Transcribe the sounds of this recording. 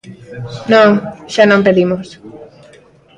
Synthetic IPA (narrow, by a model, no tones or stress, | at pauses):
nõŋʃanõmpeðimos